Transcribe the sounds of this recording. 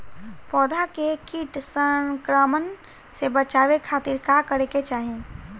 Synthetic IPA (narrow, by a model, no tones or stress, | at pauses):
pɔːd̪ʱakekiːʈsəŋkɾəmən | sebət͡ʃaːwekʰaːt̪iɾkakəɾeket͡ʃaːɦẽ